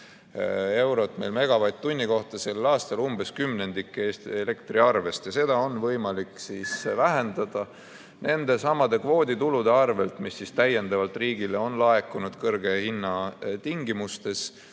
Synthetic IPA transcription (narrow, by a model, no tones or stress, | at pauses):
e̞wɾo̞t̪ːˑme̞jlme̞ɡ̥ɑvɑjd̪̚t̪ːunʲːiko̞ht̪ɑse̞lːɑːst̪ɑlumb̥e̞skymne̞nd̪ikːˑeːst̪ele̞kt̪riɑrve̞st̪jɑse̞d̪̥ɑo̞nvɤjmɑliksisvæɦend̪ɑd̪̥ɑ | nʔe̞nd̪̥e̞sɑmːɑd̪e̞kvo̞ːd̪̥it̪ulud̪e̞ɑrve̞lt̪misːist̪æjːe̞nd̪̥ɑvɑlt̪riːɡ̥ile̞o̞nlɑe̞kːˑunud̪̥kɤrɡ̥e̞hinːɑt̪iŋɡimust̪e̞s